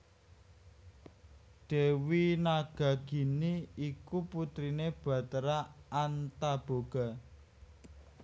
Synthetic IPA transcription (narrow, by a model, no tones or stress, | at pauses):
ɖ̪̥e̤winaɡ̥ä̤ɡ̥i̤niikuput̪ɾineb̥ä̤t̪əɾaʔant̪ab̥o̤ɡ̥a̤